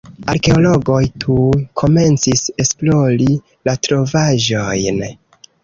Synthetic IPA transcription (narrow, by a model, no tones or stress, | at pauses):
aɾke̞olo̞ɡo̞jtʰukʰo̞me̞nt͡sise̞splo̞ɾi | latɾo̞vaʒo̞jn